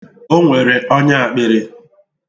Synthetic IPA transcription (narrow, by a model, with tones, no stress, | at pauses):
o˦ŋʷe˨ɾe˨ʔɔ˦ɲa˦a˨k͡pɪ˦ɾɪ˦